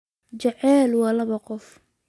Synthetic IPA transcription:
d͡ʒɐʕɛːlwɑːlɐβɐqɔf

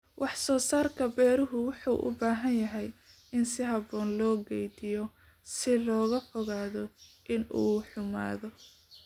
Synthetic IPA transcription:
wʔɑħsɔːsaːrkʰɐbɛːɾʊɦʊwɑħuːʔʊ̰baːɦɐnjɐɦɛj | ɪnsɪɦɐbɔːnlɔːɡɛjd̪ɪjɔ | sɪlɔːɣɐfɔɣaːðɔʔɪnuːħʊma̰ːðɔ

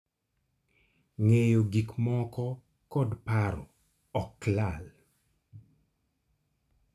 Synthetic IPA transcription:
ŋejoɡikmɔkɔ | kɔdpaɾɔ̰ | ɔklal

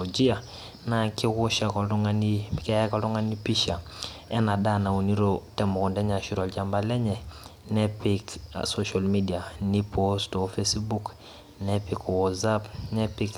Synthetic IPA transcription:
od͡ʒia | nakikuʃakoluŋanikejakaluŋanipiʃaɛnadanauniɾotɛmɔkundɛɲaʃiɾolɟambalɛɲɛ | nepiksoʃolmidianipostofesbuk | nepikwozapnɛpik

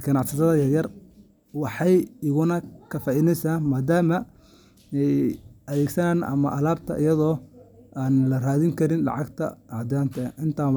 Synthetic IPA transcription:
ɡɐnɑʕsɐt̪ʰɐðɐjɐjɐr | wɑħɑjɪɣʊnɐkʰɐfɐɪnɛjsaːnmaːd̪aːmɐ | ɛjɐðɛːɡsɐnaːnʔɐ̰mɐ̰ʔɐlaːb̚t̪ʰɐ̰ʔɪjɐðɔːʔaːnlɐraːðɪŋkʰɐɾɪnlɑ̰ʕɑɡt̪ʰɐ̰ɑʕd̪aːnt̪ʰɐʔɪnt̪ʰaː

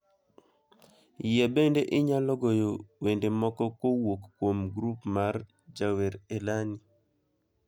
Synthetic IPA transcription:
jebendeʔɪɲalɔɡojowendemɔkɔkowokːwomɡɾupmar | d͡ʒaweɾelani

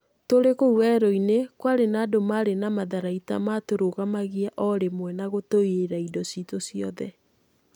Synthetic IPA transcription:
toɾekouɛɾɔinekwaɾenaːdomaɾenamaðaɾaita̰matoɾoɣamaɣiaʔɔɾemwɛnaɣotoieɾaidɔsitosiɔðɛ

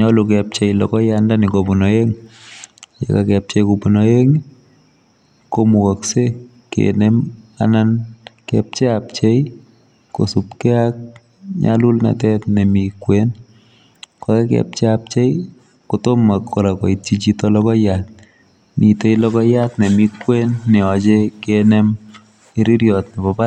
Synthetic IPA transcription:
ɲɔlukɛp̚t͡ʃɛjlɔ̰kɔjandanikopunɔeŋ | jḛkakɛp̚t͡ʃɛjkupunɔeŋ | komukɔkse | kḛnema̰nankɛ̰p̚t͡ʃeap̚t͡ʃej | kosupkɛak̚ | ɲa̰lulna̰tɛtnemikwen | kɔkɛkɛ̰p̚t͡ʃeap̚t͡ʃej | kutomakːɔɾakɔ̰itt͡ʃit͡ʃitɔlɔkɔjat̚ | miteilɔkɔjatnemikwenːɛɔt͡ʃekenem | iɾiɾjɔtnepɔpa

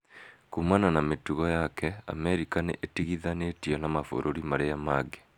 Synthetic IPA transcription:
kumananametuɣɔjakɛa̰mɛɾikaneʔetiɣiðanetiɔnamafo̰ɾʔoɾimaɾejamaɡe̥

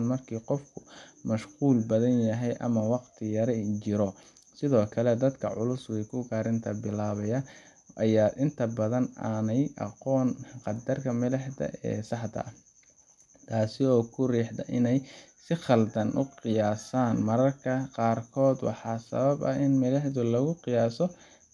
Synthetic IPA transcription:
nmɐrkʰiːqɔfkʰʊmɐʃquːlbɐðɐnjɐɦɛjʔɐ̰mɐwɑqt̪ʰɪjɐɾɛt͡ʃɪɾɔ | sɪðɔːkʰɐlɛd̪ɐd̪kʰɐʕʊlʊswikʰʊɡaːɾɪnt̪ʰɐbɪlaːβɐjɐ | ʔɐjaːʔɪnt̪ʰɐbɐðɐnaːnɛjʔɑ̰qɔːnqɑd̪ɐrkʰɐmɐlɛħdɐ̰ʔɛ̰ːsɑħd̪ɐ̰ | t̪ʰaːsɪɔːkʰʊriːħd̪ɐ̰ʔɪnɛjsɪχɑld̪ɐnʔʊqɪjaːsaːnmɐɾɐrkʰɐqɑːrkʰɔːd̪wɑ̰ħɑːsɐ̰βɐbɐ̰ɪnmɐlɛħd̪ʊlɐɣʊqɪjaːsɔ

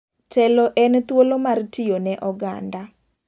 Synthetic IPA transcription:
tʰɛlɔʔɛnt̪wolomartʰɪjonɛʔɔɡa̰nda

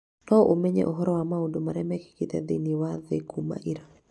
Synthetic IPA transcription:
tɔʔomeɲḛʔoɦɔɾɔwamaudomaɾɛmɛki̥kit̪ɛd̪iniwaðekuma̰ʔiɾa

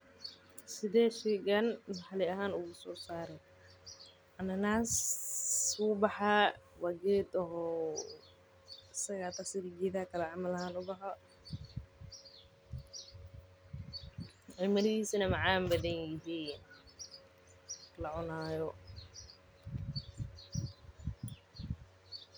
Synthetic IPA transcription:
sɪðɛːʃɛːɡɐnnɐħɑlɪɐɦaːnʊɣʊsɔːsaːɾɛj | ʔɐnɐnaːs | wuːbɑħawaɡɛːd̪ɔɦɔː | ɪsɐɣaːt̪ʰasɪɾɪɡɛːðaːkʰɐlɐʕɑmɐlɐhaːnʊbɐħa | ʕɪlmɐðɪiːsinɐmɑʕaːmbɐðɐnɪɦiːn | lɐʕʊnaːjɔ

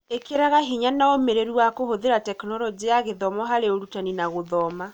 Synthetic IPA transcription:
ekeɾaɣaɦiɲanaomeɾeɾuwakohoðeɾatɛknɔɾɔd͡ʒiaɣeðɔmɔɦaɾeoɾutaninaɣoðɔma

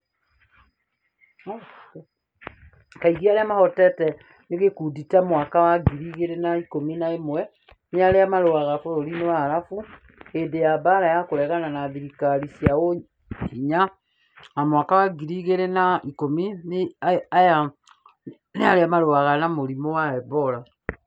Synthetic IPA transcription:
kaiɣiaɾeamahɔtɛtɛ | neɣekuditamwakawaɡiɾiɣeɾenaikominaemwɛ | neaɾeamaɾoaɣafoɾoɾinewaɾafu | edejabaɾajakoɾɛɣananaðiɾikaɾisiao | iɲa | amwakawaɡiɾiɣeɾenaikominaja | naɾeamaɾoaɣanamoɾimɔwaɛbɔɾa

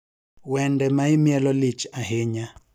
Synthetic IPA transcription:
wɛndɛmaimjɛlɔlit͡ʃaɦeɲa

